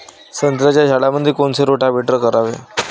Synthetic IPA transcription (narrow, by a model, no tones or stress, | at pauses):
sənt̪ɾat͡ɕjad͡ʑʱalaməd̪ʱːjekoɳseɾoʈabʱeʈɾəkəɾaʋḛ